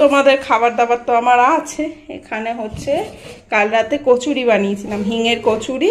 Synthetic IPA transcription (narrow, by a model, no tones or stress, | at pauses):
t̪omad̪eɾkʰabaɾd̪abat̪ːoamaɾat͡ɕʰeḛkʰaneɦotːɕʰekalɾat̪ekot͡ɕʰuɾibanijet͡ɕʰilamɦiŋeɾkot͡ɕʰuɾi